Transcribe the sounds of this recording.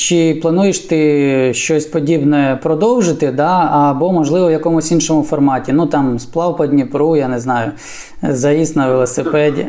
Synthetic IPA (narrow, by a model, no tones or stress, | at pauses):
t͡ʃɪplˠɐnujɪʃt̪ɪʃt͡ʃɔsʲpɔdʲibnɛɛpɾɔd̪ɔwʒɪt̪ɪd̪ɑɐbɔmɔʒlˠɪʋɔwjɐkɔmʊsʲinʃɔmʊfɔrmɑtʲinut̪ɑmsplˠɑwpɐdʲnʲipɾujanɪznɑjʊ | zɐist̪nɐʋelˠɔsɪpɛdʲḭ